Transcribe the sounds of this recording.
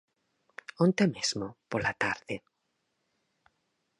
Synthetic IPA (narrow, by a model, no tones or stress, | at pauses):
ont̪emezmopolat̪aɾðe